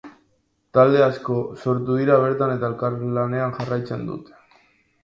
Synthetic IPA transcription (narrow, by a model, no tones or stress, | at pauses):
t̪ald̪e̞asko̞so̞ɾt̪uð̞iɾaβ̞e̞ɾt̪ane̞t̪aelkaɾlane̞anʝarajt͡se̞nd̪ṵt̪e̥